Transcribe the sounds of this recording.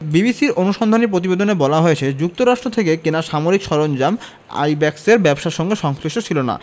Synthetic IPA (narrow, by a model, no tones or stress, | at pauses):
bibisiɾonuʃɔnd̪ʱanip̬ɾot̪̬ibed̪onebɔlaɦoet͡ɕʰed͡ʑuk̚t̪oɾaʃʈɾot̪ʰekekenaʃamoɾikʃɔɾond͡ʑam | a̰jbɛkseɾbɛbʃaʃɔŋɡeʃɔŋsliʃʈot͡ɕʰilona̰